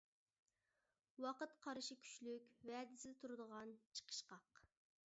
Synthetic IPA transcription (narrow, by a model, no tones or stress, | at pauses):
wɑqət̪qʰɑɾɨʃikʲʰy̥t͡ʃlykʲwɛd̪ɪsɪd̪ɛt̪ʰuɾɨd̪əʁɑnt͡ʃʰə̥qʰə̥ʃqɑq